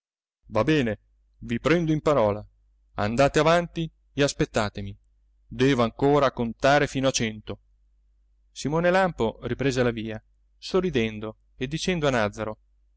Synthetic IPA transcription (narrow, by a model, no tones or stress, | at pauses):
vabɛːne | vipɾɛnd̪oimpaɾɔːla | a̰nd̪aːt̪eavant̪i | easpet̪ːaːt̪emi | d̪ɛːvoaŋkoːɾakont̪aːɾefiːnoat͡ʃɛnt̪o | simoːnelamporipɾeːzelaviːa | sorːid̪ɛnd̪o | ed̪ːit͡ʃɛnd̪oanad̪zːaɾo